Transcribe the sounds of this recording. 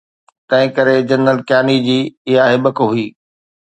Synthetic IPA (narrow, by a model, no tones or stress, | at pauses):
t̪ɐ̃ɦɪ̃kɐɾed͡ʑɐnɾəlkjaːnid͡ʑiːɪɦaɦɪbəkɦʊiː